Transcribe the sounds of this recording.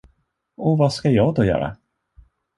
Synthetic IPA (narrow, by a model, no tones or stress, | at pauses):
ɔvaskajɑːɡd̪ɔjœ̰ːɾa̰